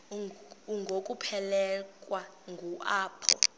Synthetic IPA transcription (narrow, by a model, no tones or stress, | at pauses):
uŋɡʱokʼupʰɛlɛkʼwa | ŋɡʱuʔaːpʰɔ̰